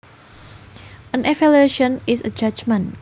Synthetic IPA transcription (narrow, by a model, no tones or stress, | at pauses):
ə̃nʔɛfɛleʃə̃nɪsəd͡ʒad͡ʒmə̃n